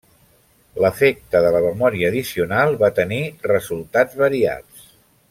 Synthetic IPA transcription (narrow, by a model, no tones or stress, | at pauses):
ləfek̚t̪əðələməmɔɾiəːðisiunalˠβat̪ənirəzulˠt̪ad͡zβəɾia̰t͡s